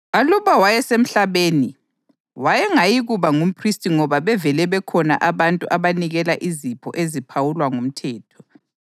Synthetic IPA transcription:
aluβawajɛsem̩ɬaβeːni | wajɛŋajiɣuβaŋum̩pʰristʼiŋɔβaβɛvɛlɛβɛkʰɔna̰ʔaβantʼuʔaβaniɣɛlaʔizipʰɔ̰ʔezipʰawulwaŋum̩tʰɛːtʰɔ̥

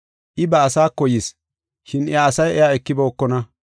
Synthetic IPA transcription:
ʔɪbɐːsaːkːɔjɪs | ʃɪnɛjaːsɐjʔɛjaɛkːɪbɔɔkːɔnɐ

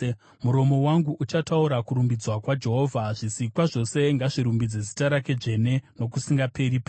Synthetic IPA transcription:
muɾo̞mo̞waŋɡuʔut͡ʃatauɾakuɾumbid͡zwakwad͡ʒe̞ɦo̞ːvʱaʐisikwaʐo̞se̞ŋɡaʐiɾumbid͡ze̞zitaɾake̞d͡ʐe̞ne̞no̞kusiŋɡape̞ɾipa

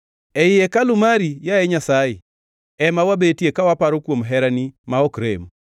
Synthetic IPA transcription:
ɛjɪjekalʊmaɾijaɛɲasaɪ | ɛmawabetijekawapaɾokwomɦɛɾanimaɔkɾḛm

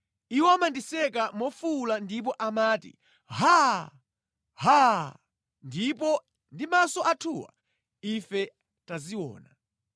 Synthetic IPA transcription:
iwɔamandisɛkamɔfulandip̬ɔʔamaːtḭ | ɦa | ha | ndipɔ | ndimasɔʔatʰuːwa̰ | ifɛ | taziwɔ̰ːna

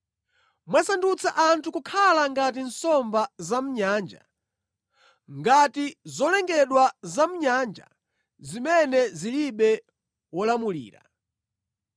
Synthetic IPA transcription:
mwasandut͡sʰaʔantʰukukʰalaŋɡat̬in̩sɔmbazam̩ɲaːnd͡ʒa | ŋɡatizɔlɛŋɡɛɗwazam̩ɲand͡ʒa̰ | zimɛnɛziliɓɛ | wɔlamulḭːɾa̰

